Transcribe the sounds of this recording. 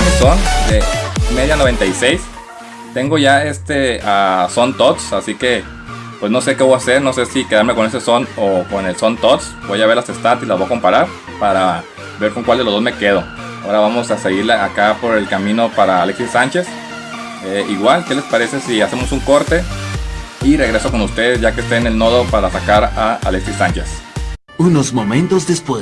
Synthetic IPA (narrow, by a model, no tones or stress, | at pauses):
eso̞neme̞ðjano̞β̞e̞nt̪ajsejs | t̪e̞ŋɡo̞ʝae̞st̪e̞aso̞nt̪ot̪sasike̞ | pwe̞sno̞se̞ke̞βoase̞ɾno̞se̞sike̞ðaɾme̞ko̞nes̬eso̞noko̞ne̞lso̞nt̪ot̪sbo̞jʝaβe̞ɾlase̞st̪at̪ilazβo̞ako̞mpaɾaɾ | paɾa | be̞ɾko̞ŋkwald̪e̞lozðome̞ke̞ð̞o̞ | ao̞ɾaβamo̞sase̞ɣiɾlaakapo̞ɾe̞lkamĩno̞paɾaːleksisant͡ʃe̞s | eiɣwalke̞le̞spaɾe̞se̞siase̞mo̞suŋko̞ɾt̪e̞ | ire̞ɣɾe̞so̞ko̞nust̪e̞ðezʝakest̪eːne̞lno̞ð̞o̞paɾasakaɾaa̰leksisant͡ʃe̞s | unozmomẽnt̪ozd̪espwe